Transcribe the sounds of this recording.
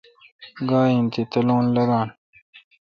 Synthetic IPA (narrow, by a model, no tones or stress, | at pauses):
ɡaːint̪it̪ɐlõːnlɐɡãːn